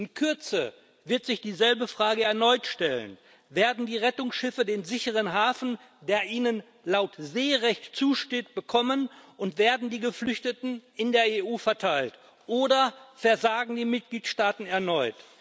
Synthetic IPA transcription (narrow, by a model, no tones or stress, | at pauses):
ʔɪnkʰʏɐt͡sə | vɪɐtz̥ɪçd̥iːzɛlbəfʁ̥aːɡəɛɐnɔʏtʃtɛlə̰n | veːɐdn̩diːʁɛtʊŋsʃɪfədeːnzɪçəʁ̞ənɦaːfn̩ | deːɐʔiːnən | laʊtzeːʁɛçtt͡suːʃteːt̚b̥əkʰɔmənʊntv̥eːɐdn̩diːɡəflʏçtətn̩ɪndeːɐeːuːfɛɐtʰaɪlt | ʔoːdɐfɛɐzaːɡŋ̩diːmɪt̚ɡ̥liːtʃtaːtn̩ɛɐnɔʏt